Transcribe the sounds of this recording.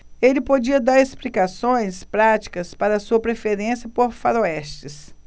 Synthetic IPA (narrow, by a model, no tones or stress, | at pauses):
elɪpod͡ʒiɐd̪aɾesplikasõj̃spɾat͡ʃi̥kɐspaɾɐːsuɐpɾefeɾẽsjɐpoɾfaɾoɛst͡ʃɪs